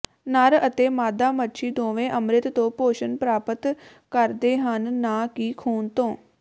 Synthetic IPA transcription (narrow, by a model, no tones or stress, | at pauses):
naɾət̪eːmaːd̪aːməʃʰiːd̪õːʋẽːʔəmɾɪt̪t̪õːpoːʃənpɾaːpət̪ | kəɾd̪eːɦənːaːkiːkʰuːnt̪õː